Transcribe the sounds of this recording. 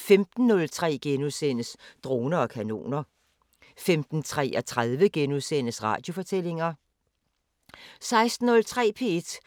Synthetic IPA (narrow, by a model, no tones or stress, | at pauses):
femd̥n̩ːɔ̽lt͡sʰʁɛ̰ːɡ̥enuðˠsen̰əsd̥ʁo̝ːnɐɒ̽kʰæno̝̰ːnɐ | femd̥n̩t͡sʰʁɛ̰ːɒt͡sʰʁaðˠʋəɡ̥enuðˠsen̰əsʁɑ̰̈ːd̥jo̝fɒ̽t͡sʰel̰e̝ŋɐ | sɑ̈ɪsd̥n̩ːɔ̽lt͡sʰʁɛ̰ːpʰe̝e̝d̥